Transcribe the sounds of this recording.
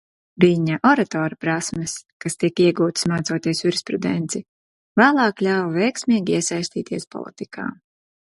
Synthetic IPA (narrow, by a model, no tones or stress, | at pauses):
viɲaʔɔɾat̪ɔːɾpɾasmɨskast̪ikiɛɡuːt̪smaːt̪suɔt̪iɛsuɾspɾud̪ɛ̰nt̪si | væːlˠɑːklʲawvɛjksʲmʲiːɡʲiiɛsajsʲt̪iːt̪ʰiɛspɔ̰lˠḭt̪ikʰa̰ː